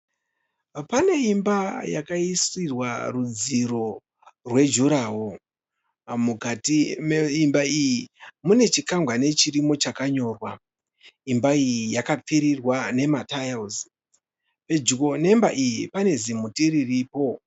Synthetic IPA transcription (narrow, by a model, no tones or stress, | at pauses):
pane̞imbajakaiswirwa̰rud͡ziɾo̞ | rwe̞d͡ʒuɾaːɦo | mukatimeimbaijimune̞t͡ʃikaŋɡwane̞t͡ʃiɾimo̞t͡ʃakaɲo̞ːrwa | imbaijijakap͡fiɾirwane̞matajaz | pe̞d͡ʒikone̞mba̰ʔijipane̞zimutiririːpo̞